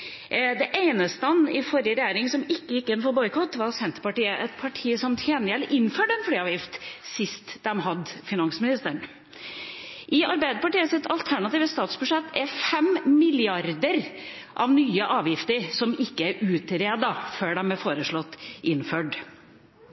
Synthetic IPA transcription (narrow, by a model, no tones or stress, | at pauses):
d̪ɛʔeɪnəst̪əɑnɪfɔɾjəɾɛjeːɾɪŋsɔmɪkːəjɪkːɪnːfɔɾbɔʏkʰɔt̪ːʋɑɾsɛnt̪əɾpɑʈiːəʔɛt̪̚pʰɑʈʰiːsɔmt̪ʰjeːnjɛlʔɪnːføːɖɛnfliːɑːʋjɪft̪sɪst̪d̪ɛmɦɑd̪fɪnɑŋsmɪnɪst̪əɳ | ʔɪʔɑɾbæɪd̪əpɑʈiːəsɛt̪ɑlt̪ʰæɳɑt̪iːʋəst̪ɑːt̪sbʉʂɛt̪ːɛɾfɛmmɪlɪɑɾd̪əɾ | ʔɑʋnyːəʔɑːʋjɪft̪əɾsɔmɪkːəæɾʉːt̪ɾeːd̪ɑføːɖɛmbɛfoːɾəʂɭɔt̪ːʔɪnːføːɖ